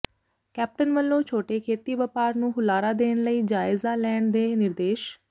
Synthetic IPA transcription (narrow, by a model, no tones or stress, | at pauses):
kɛːp̚ʈənʋəlːõːt͡ʃʰoːʈeːkʰeːt̪iːʋəːpaːɾnũːɦʊlaːɾaːd̪eːnləiːd͡ʒaːɪzãːlɛːɳd̪eːnɪɾd̪eːʃ